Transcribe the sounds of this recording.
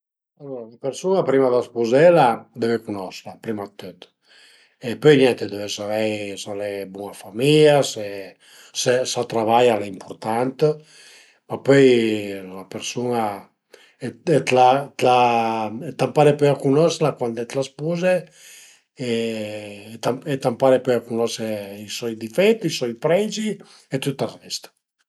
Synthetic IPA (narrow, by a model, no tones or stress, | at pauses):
alːoɾalapeɾsunapɾimad̪aspuzɛlad̪evekunɔslapɾimat̪ːøt̪ | epøjnjɛnt̪ed̪evesalɛjsalɛbunafamiʎase | sesat̪ɾavajaleimpʰuɾt̪ant̪ə | mapøjlapeɾsuna | ɛɛt̪lat̪laɛt̪ampaɾepɔjakunɔslakwand̪ɛt̪laspuze | e | t̪aɛt̪ampaɾepɔjakunɔseisɔjd̪ifɛt̪ːisɔjpɾɛd͡ʒi | et̪ut̪ːarɛst̪ḁ